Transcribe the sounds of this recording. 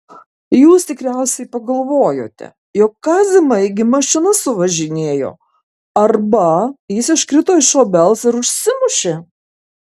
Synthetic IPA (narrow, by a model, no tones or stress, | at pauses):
juːst̪ʲɪkɾʲɛʊsʲɛɪpɐɡɐlˠʋoːjo̰ːt̪ʲɛ̰ | joːkːɑːzʲɪmɐɪɡʲɪmɐʃt͡ʃʲɪnɐsʊʋɐʒʲɪnʲeːjo̰ː | ɐrbɐjɪsɪʃkɾʲɪt̪oːɪʃoːbʲɛlˠsɪɾʊʃʲsʲɪmʊʃʲeː